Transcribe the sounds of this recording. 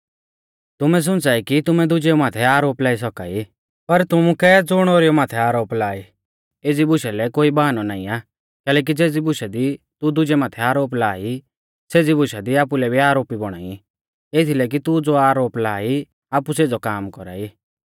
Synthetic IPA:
t̪ʊmɛs̬ʊ̃nt͡saːikit̪ʊmɛd̪ʊd͡ʒɛomaːt̪ʰɛaːɾoːplaːisɔka̰ːi | pɐɾt̪ʊmũkɛd͡zʊɽ̃oːɾijomaːt̪ʰɛaːɾoːplaːi | eːd͡zibʊʃɛlɛkoːibaɦanɔnaːĩaː | kɛːlɛːk̬id͡zeːd͡zibʊʃɛd̪i | t̪ud̪ʊd͡ʒɛmaːt̪ʰɛaːɾoːp̬laːi | seːd͡zibʊʃad̪iaːpulɛbʱiaːɾoːpibɔɽ̃a̰ːi | et̪ʰilɛk̬it̪ud͡zoaːɾoːplaːi | aːpuseːd͡zɔkaːmkɔɾa̰ːiː

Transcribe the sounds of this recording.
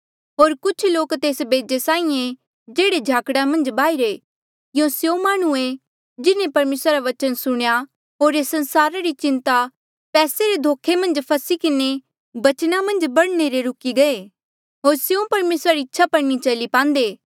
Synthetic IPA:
ɦoːɾkʊt͡ʃʰloːkt̪eːsbeːd͡ʒesãːĩẽ | d͡ʒeːɽed͡ʒʱaːkɽamɐ̃nd͡ʒbaːiɾe | jõsjõmaːɽ̃ue | d͡ʒɪnẽpɐɾmeːsɾaɾaʋɐt͡ʃənsʊɽ̃ja | ɦoːɾesɐ̃nsaːɾaɾit͡ʃɪ̃nt̪a | pɛːseɾed̪ʱoːkʰːemɐ̃nd͡ʒpʰɐsikɪne | bɐt͡ʃnamɐ̃nd͡ʒbɐɽneɾeɾʊkiɡɐe | ɦoːɾsjõpɐɾmeːsɾaɾiɪtːʃʰapɐɽnit͡ʃɐlipãːnd̪eː

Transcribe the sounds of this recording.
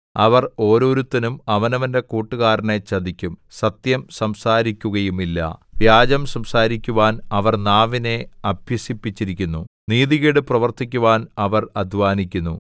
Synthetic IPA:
ɐ̰ʋɐro̞ːɾo̞ːɾut̪ːɐnumɐʋɐnɐʋɐnde̞kuːʈːɨɣaːɾɐne̞t͡ɕːɐd̪ikʲːumsɐt̪jɐmsɐmsaːɾikʲːuɣɐjumilːɐ̰ʋjaːd͡ʑɐmsɐmsaːɾikʲːuʋaːnɐʋɐrnaːʋine̞ɐbʱjɐsipːit͡ɕːiɾikʲːunːuniːðiɣiɽɨprɐʋɐrt̪ikʲːuʋaːnɐʋɐrɐd̪ʱʋaːnikʲːunːu

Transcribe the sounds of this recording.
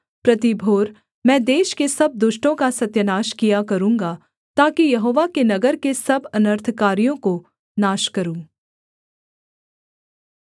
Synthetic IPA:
pɾɐt̪ibʱoːɾ | mɛ̃ːd̪eːʃkesɐb̚d̪ʊʃʈõkasɐt̪jənaːʃkijakɐɾũːŋɡa | t̪aːkijɐɦoːʋakenɐɡəɾkesɐbɐnəɾt̪ʰkaːɾijõko | naːʃkɐɾũː

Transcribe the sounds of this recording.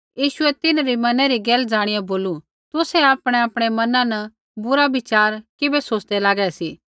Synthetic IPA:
jiːʃʊɛt̪ɪnɾimɐnɛɾiɡɛːld͡zaːɽ̃ɪjaboːlu | t̪ʊsɛaːpɽ̃eaːpɽ̃emɐnãnɐ | bʊɾabɪt͡ʃaːɾkɪbesoːt͡ʃd̪elaːɡɛsiː

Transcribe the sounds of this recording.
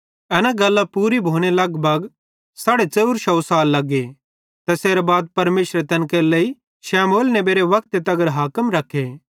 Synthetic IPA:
ɐnãɡɐlːapuːɾibʱoːɽ̃elɐɡbʱɐɡ | saːɽet͡ʃɐuɾʃɐwsaːlːɐɡe | t̪ɛseːɾabaːd̪̚pɐɾmeːʃɾet̪ɐnkelɐi | ʃɛːmoːlnɛbeːɾeʋɐk̚t̪et̪ɐɡəɾɦaːkəmɾɐkʰːeː

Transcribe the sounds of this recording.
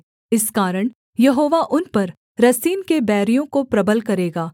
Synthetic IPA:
ɪskaːɾəɽ̃ | jɐɦoːʋaʔʊnpɐɾ | ɾɐsiːnkebɛːɾijõkopɾɐbəlkɐɾeːɡaː

